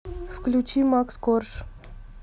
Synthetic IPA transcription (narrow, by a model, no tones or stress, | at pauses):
fklʲut͡ɕimakskorʂ